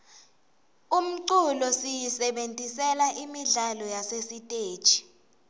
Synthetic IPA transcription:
um̩ǀulɔsijisɛɓentʼisɛlaʔimiɮalɔjasesitʼe̥ːt͡ʃʼi̥

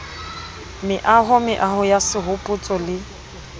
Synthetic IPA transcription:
mɪʔaɦʊmɪ̰ʔahʊjasɪɦʊpʼut͡sʼɔlɪ

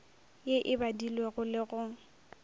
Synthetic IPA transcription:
jeʔɪbadilweɣʊlɪɣʊ

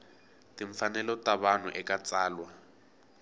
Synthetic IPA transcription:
tiɱfanɛlɔtaβan̤ṵʔɛkat͡saːlwa

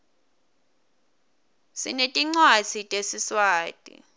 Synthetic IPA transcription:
sḭnetʼiŋ͡ǀwazʰitʼesiswaːtʼḭ

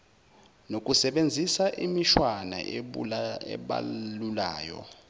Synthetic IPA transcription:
nok̬ʼusɛɓend͡zʱisaʔimiʃwana̰ | ɛ̰ɓa̰lulaːjɔ̰

